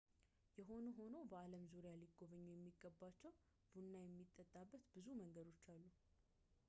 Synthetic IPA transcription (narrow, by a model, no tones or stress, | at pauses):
jɛɦo̞nuɦo̞no̞bəaləmzuɾejaliɡːo̞βəɲːujɛmːiɡːəbːat͡ʃːɛw | b̥unːajɛmːit̪ʼːət̪ʼːabːət̪bɨzuməŋɡəd̪o̞t͡ʃːalːu